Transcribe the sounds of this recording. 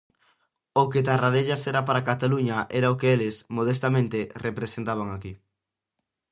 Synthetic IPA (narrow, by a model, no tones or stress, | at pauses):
oket̪arað̞eʎasɛɾapaɾakat̪aluɲɐʔɛɾaokeelɪsmoð̞est̪amẽnt̪erepɾesent̪aβ̞aŋaki